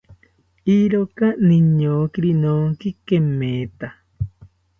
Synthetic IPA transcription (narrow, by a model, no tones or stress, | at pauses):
iɾokaniɲoːkiɾinoŋkikemːẽːt̪a